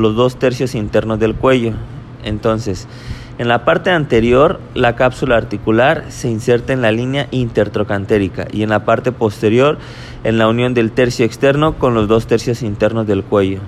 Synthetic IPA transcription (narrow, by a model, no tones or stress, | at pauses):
lo̞zðo̞st̪e̞ɾsjo̞sint̪e̞ɾno̞zðe̞lkwe̞ʝo̞ | ḛnt̪o̞nse̞s | enlapaɾt̪e̞ant̪e̞ɾjo̞ɾ | lakapsulaːɾt̪ikulaɾse̞inse̞ɾt̪aenlalinjaʔint̪e̞ɾt̪ɾo̞kant̪e̞ɾika̰ʔie̞nlapaɾt̪e̞po̞st̪e̞ɾjo̞ɾ | e̞nlaunjo̞nd̪e̞lt̪e̞ɾsjo̞ekst̪e̞ɾno̞ko̞nlo̞zðo̞st̪e̞ɾsjo̞sint̪e̞ɾno̞zðe̞lkwe̞ʝo